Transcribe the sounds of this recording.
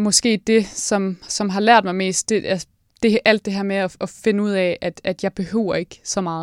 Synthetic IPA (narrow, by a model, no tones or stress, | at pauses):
mɒ̽sɡ̥e̝̰ːd̥e̝sɒ̽msɒ̽mɦɑ̈læɐ̰d̥mɑ̈ɪme̝̰ːsd̥eæ | d̥e̝ʔæl̰d̥e̝ɦæɐ̰meɒʔɒfe̝nəuð̞̰ˠɛʔæd̥æd̥jɑ̈ɪb̥e̝høːʊ̰ɐe̝ɡ̥sɒ̽mɑ̈ːð̩ˠ